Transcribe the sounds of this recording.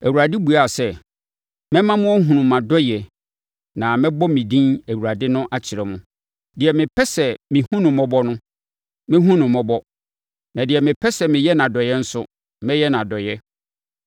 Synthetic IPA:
æ˨wu˨a˨dɪ˦bu˨a˦˨sɛ˦ | mɛ̃˦mã˦mʊ̃˦ɔ˦ɦũ˨nũ˨mã˨dɔ˦jɛ˨ | nã˨mɪ̃˦bɔ˦mĩ˨dĩ˦næ˨wu˨ɾa˨dɪ˦nʊ̃˦ʔa˦t͡ɕʰɪ˨ɾɛ˨mʊ̃˦ | dɪ˨ɛ˨mɪ̃˨pʰɛ˦sɛ˨mɪ̃˨hũ˦nʊ̃˨mɔ̃˦bɔ˦nʊ̃˦ | mɪ̃˦ɦũ˦nʊ̃˨mɔ̃˦bɔ˦ | nã˨dɪ˨ɛ˨mɪ̃˨pʰɛ˦sɛ˨mɪ̃˨jɛ˦nã˨dɔ˨jɛ˦n̩˦sʊ˦ | mɛ̃˦jɛ˦nã˨dɔ˨jɛ˦

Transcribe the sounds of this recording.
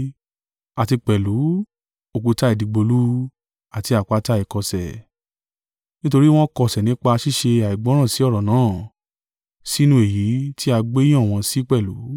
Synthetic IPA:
a˨ti˧k͡pɛ˨lu˨˦ | o˨ku˧ta˦i˨di˨˧ɡ͡bo˧lu˦ | a˨ti˧a˨k͡pa˨˦ta˦i˨kɔ˧sɛ̰˨ | nĩ˦to˧ɾi˦w̃ɔ̃˦kɔ˧˨sɛ˨nĩ˨˦k͡pa˧ʃi˦˨ʃe˧a˨i˨ɡ͡bɔ̃˨˦ɾ̃ã˦˨si˨˦ɔ˦˨ɾɔ˨nãː˨˦˨ | si˦nũ˧˦e˨ji˨˦ti˦a˧ɡ͡bẽ˦ã˦˨w̃ɔ̃˧si˦k͡pɛ˦˨lṵ˨˦

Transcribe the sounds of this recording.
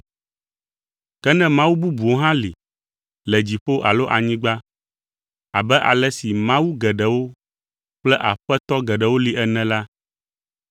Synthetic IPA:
kɛ˦nɛ̃˦mã˦wu˦bu˦bu˨o˦ɦã˦li˨ | lɛ˨d͡ʑi˨ɸo˦ʔa˨lo˦ʔa˨ɲĩ˦ɡ͡ba˦ | a˨bɛ˦ʔa̰˨lɛ˦si˨mã˦wu˦ɡɛ˨ɖɛ˨wo˦ | k͡plɛ˦ʔa˨ɸɛ˦t̪ɔ˦ɡɛ˨ɖɛ˨wo˦li˨ɛ˦nɛ̃˨la˦

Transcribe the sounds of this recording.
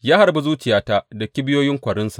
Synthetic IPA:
jaː˦ha˨ɾbu˦zuː˦t͡ʃɪ˨jaː˦ta˦dɐ˨kʲi˦bɪ˦joː˦jɪ˦ŋkʷɐ˨ɽɪ˦nsḁ˨ʔ

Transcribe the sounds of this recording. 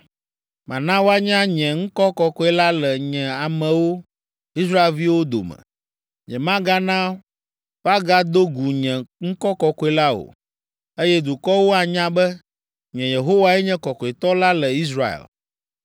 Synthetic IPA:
mã̰˨nã˦wo˦a˦ɲã˦ɲɛ̃˨ŋ̩˦kɔ˦kɔ˨kɔ˦ɛ˦la˦lɛ˨ɲɛ̃˨a˨mɛ̃˨wo˦ | i˦s̬ɾa˦e˨lvi˦wo˦d̪o̰˨mɛ̰̃˨ | ɲɛ̰̃˨mã˦ɡa˦nã˦ | fa˦ɡa˦d̪o˦ɡu˨ɲɛ̃˨ŋ̩˦kɔ˦kɔ˨kɔ˦ɛ˨la˦o̰˨ | e˦jɛ˦d̪u˨kɔ˦wo˦a˨ɲã˦bɛ˦ | ɲɛ̃˨je˨ɦo˦wa˦ɛ˦ɲɛ̃˦kɔ˨kɔ˨e˨t̪ɔ˦la˦lɛ˨i˦s̬ɾa˦ḛ˨l

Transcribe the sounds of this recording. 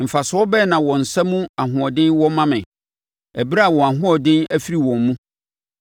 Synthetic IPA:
m̩˨fa˨sɔ˦bɛ˦nã˨wɔ̃˨n̩˨sa˦mũ˦a˨ɦʊ̃˨ɔ˨dɪ̃˦nwɔ̃˦mã˦mɪ̃˨ | æ˨bi˦ɾa˦a˨wɔ̃˨a˨ɦʊ̃˦ɔ˨dɪ̃˦næ˦fi˦ɾi˨wɔ̃˨mː˦ũ˦

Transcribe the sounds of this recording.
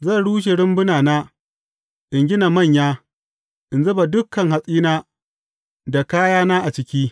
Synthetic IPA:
zɐ˦˨ɽuː˦ʃ̬e˨ɽɪ˦mbʊ˦naː˨naː˦ | ʔɪ˨ŋɡʲɪ˦na˨mɐ˦˨ɲjaː˦ | ʔɪ˨nzɐ˦ba˨dʊ˦kːɐ˨ŋɦa˨sʼiː˦naː˦ | da˨kaː˦jaː˦naː˦ʔa˨t͡ʃɪ˦kʲiː˦

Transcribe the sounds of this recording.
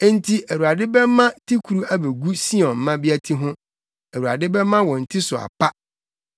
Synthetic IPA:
e˦n̩˦tʰi˦ʔæ˨wu˨ɾa˨dɪ˦bɛ˦mːã˦tʰi˦kʰu˨ɾu˦æ˦be˨ɡu˦si˦ɔ̃˨nm̩˨mã˦bɪ˦æ˦tʰi˦ɦʊ̃˦ | æ˨wu˨a̰˨dɪ˦bɛ˦mːã˦wɔ̃˨n̩˨tʰi˦sʊ˨a̰˨pʰa˦

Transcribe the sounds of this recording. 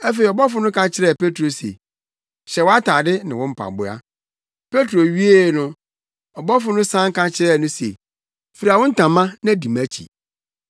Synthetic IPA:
æ˦fe˨i˨ɔ˨bɔ˦fʊ˨˦nʊ̃˦kʰã˨t͡ɕʰɪ˦ɾɛ˦˨pe˦tɾo˨sḛ˨ | ɕɛ˨wɔ˦a˦tʰaː˨dɪ˦nɪ̃˨wɔ̃˦m̩˦pʰa̰˨bʊ˦a̰˦ | pʰe˦tɾo˨ɥi˦e˦˨nʊ̃˦ | ɔ˨bɔ˦fʊ˦nʊ̃˦sã˦ŋ̩˦kʰã˦t͡ɕʰɪ˦ɾɛ˦˨nʊ̃˦sḛ˨ | fi˨ɾi˨a˨wɔ̃˦n̩˦tʰã˨mã˦nã˦˨di˨mæ˦t͡ɕʰḭ˨

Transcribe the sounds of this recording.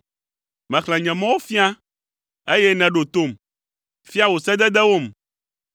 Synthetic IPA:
mɛ̃˨xlɛ̃˨ɲɛ̃˨mɔ̃˦wo˦fi˦a˦ | e˦jɛ˦nɛ̃˨ɖo˨t̪o˦˨m | fi˦a˦wo˨sɛ˦d̪ɛ˦d̪ɛ˦wo˦m

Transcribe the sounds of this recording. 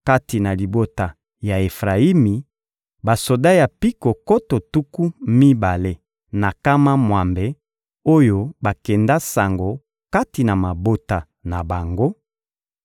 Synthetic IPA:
ka˦ti˨na˨li˨bo˦ta˨ | ja˨e˨fʁa˨i˦mi˨ | ba˨so˨da˦ja˨pi˦ko˨ko˦to˨tu˦ku˦mi˦ba˨le˦ | na˨ka˦ma˦mwa˨mbe˨ | o˦jo˦ba˨kɛ˨nda˦sa˨ŋɡo˨ | ka˦ti˨na˨ma˨bo˦ta˨ | na˨ba˨ŋɡo˦

